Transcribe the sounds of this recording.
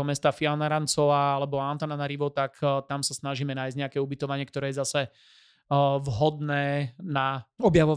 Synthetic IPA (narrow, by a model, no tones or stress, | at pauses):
ɦɔmɛst̪aːfianaɾant͡sɔaːalɛbɔant̪aːnanaɾiʋɔt̪akt̪amsasnaʒiːmɛnaːjzɟɲɛakɛːubit̪ɔʋaɲɪɛkt̪ɔɾɛːjɛzasɛ | ʋɦɔd̪nɛːnaɔbjaʋɔ